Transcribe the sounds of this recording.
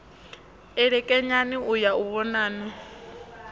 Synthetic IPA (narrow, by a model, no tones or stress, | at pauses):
ɛɺɛkʼɛɲaniujauβɔnaːnɔ